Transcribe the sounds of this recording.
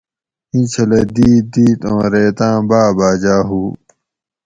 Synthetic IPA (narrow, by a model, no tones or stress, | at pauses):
ĩt͡ɕʰɐled̪iːd̪iːt̪õːɾeːt̪ãːbaːbaːd͡ʑaːɦuː